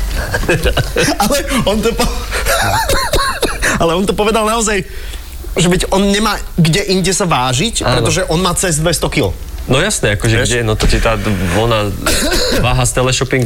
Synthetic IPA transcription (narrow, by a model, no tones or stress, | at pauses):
alɛɔnt̪ɔpɔ | alɛɔnt̪ɔpɔʋɛd̪alnaɔzaj | ʒɛbiɟʔɔnɲɛmaː | ɡɟɛʔiɲɟɛsaʋaːʒicapɾɛt̪ɔʒɛʔɔnmaːt͡sɛzd̪ʋɛst̪ɔkil | nɔjasnɛakɔʒɛɟɛnɔt̪ɔt̪ɛt̪aːʋɔna | ʋaːɦast̪ɛlɛʃɔpiŋɡ